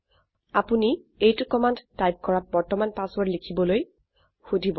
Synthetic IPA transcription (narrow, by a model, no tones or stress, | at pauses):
apuni | ejtʊkɔmandtajp̚kɔɹat̚bɔɹtɔmanpaswɔɹlikʰibɔloj | xudʱibɔ